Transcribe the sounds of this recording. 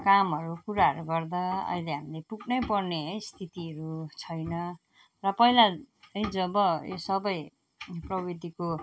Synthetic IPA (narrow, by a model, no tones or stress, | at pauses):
kamɦʌɾukuɾaɦʌɾuɡʌrd̪ʌʌ̰jleɦamilepuknʌjpʌrneʌjst̪ʰit̪iʌɾut͡sʰʌjnʌ | rʌpʌɦila | ʌjd͡zʌbʌjo̰sʌbʌj | prʌbid̪ʱiko